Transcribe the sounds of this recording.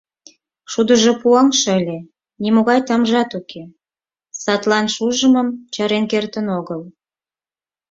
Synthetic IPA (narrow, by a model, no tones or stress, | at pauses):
ʃud̪əʒopuɑŋʃəlʲe | nimoɣɑjt̪ɑmʒɑt̪ukʰe | sɑt̪lɑnʃuʒəməmt͡ɕɑɾenkert̪ənoɣəl